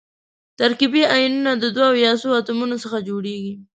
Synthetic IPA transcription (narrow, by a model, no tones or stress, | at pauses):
t̪aɾkibiajinunad̪əd̪waːwjɑsoat̪umunosəxad͡ʒoɽeɡi